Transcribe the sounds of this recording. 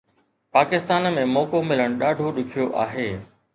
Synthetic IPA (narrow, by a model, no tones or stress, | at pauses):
paːkɪst̪aːnmẽmɔːkomɪləɽ̃ɗaːɖʱoɗʊkʰijoʔaːɦeː